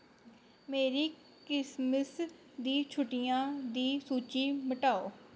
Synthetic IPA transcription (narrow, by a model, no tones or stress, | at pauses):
meːɾiː | kɪsməs | d̪iːt͡ʃʰʊʈɪjãːd̪iːsuːt͡ʃiːməʈaːoː